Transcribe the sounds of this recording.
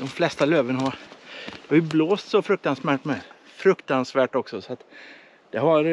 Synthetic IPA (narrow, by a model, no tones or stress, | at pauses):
d̪̥ɔmflɛst̪aløːvənaɦaɾd̪ɛhaɾjɵbloːst̪sɔfɾɵk̚t̪ansmæːʈmɛ | fɾɵkt̪ansvæːʈɔksɔsɔat̪ | d̪̥ɛɦaɾ